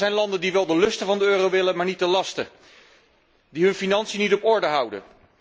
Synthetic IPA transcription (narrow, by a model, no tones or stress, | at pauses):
ɛjnlɑndəndiʋɛlˠdəlɵstəvɑndəøːrowʋɪlənmaːɹnit̚dəlɑstə | diɦɵnfinɑnsijənitɔpɔɹdəɦʌwdə̰